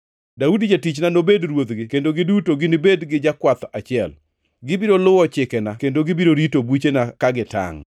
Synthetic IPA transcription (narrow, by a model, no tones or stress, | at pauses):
daudid͡ʒatit͡ʃnanobedɾwot̪ɡɪkendoɡɪdutoɡɪnɪbedɡɪd͡ʒakwat̪at͡ʃɪɛl | ɡɪbiɾolʊwɔt͡ʃɪkɛnakendoɡɪbiɾoɾitobwit͡ʃenakaɡɪta̰ŋ